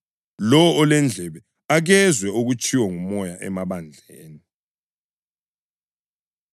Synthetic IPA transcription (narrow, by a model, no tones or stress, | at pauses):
lɔwːlɛnd͡ɮʱɛβɛ | aɣɛzwɛuɣut͡ʃʰʼiwɔŋumɔjaʔɛ̰maβand͡ɮʱeːni